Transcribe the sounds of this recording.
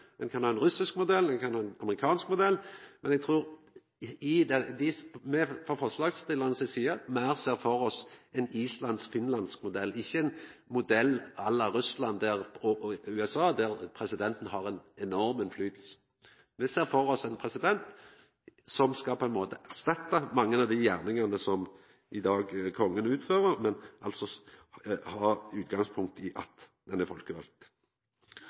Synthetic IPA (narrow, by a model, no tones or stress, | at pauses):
ɛnkʰɑnhɑːɛnʁʉsɪskmʊd̪ɛlːɛnkʰɑnhɑːɛnɑməʁɪkʰɑːnskmʊd̪ɛlːmɛnɛɡ̚t̪ʰʁuːʁ | ɪd̪ɛd̪ɪmɛfɔfɔʁʂlɑːɡst̪ɪlɑnəsɪsiːɑmæɾseːʁfɔɾɔsɛniːslɑnd̪sfɪnlɑnskmʊd̪ɛlːɪçːəɛnmʊd̪ɛlːɑlːɑɾʉslɑnd̪æʁɔʉːɛsɑːd̪æɾpʰɾɛsɪd̪ɛnt̪n̩hɑɾɛnɛnɔʁmənflyːt̪l̩sə̥ | ʋɪseːʁfɔʁɔsɛnpʰʁɛsɪd̪ɛnt̪ | sɔmskɑpʰɔɛnmoːt̪əʔæʁst̪ɑt̪ːɑmɑŋːənɑʋd̪ɪjæʁnɪŋɑnəsɔm | ʔɪd̪ɑːɡkʰɔŋːənʉːt̪føːʁəʁmɛnʔɑlt̪sɔ | hɑːʉːt̪ɡɑŋspʰʊŋkt̪ɪʔɑ̰t̪d̪̥ɛnæfɔlkəʋɑl̚t̪